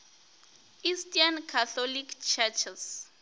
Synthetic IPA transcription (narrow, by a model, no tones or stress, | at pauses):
kistiankʰatɔlikt͡ʃʰɛt͡ʃʰɛs